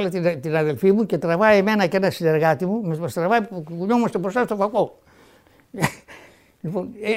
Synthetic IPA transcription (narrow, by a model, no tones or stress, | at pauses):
let̪int̪inɐðelfimuket̪ɾɐvaimenɐkenɐsineɾɣat̪imummɐst̪ɾɐvaikuɲomɐst̪epost̪ast̪ofako | lipone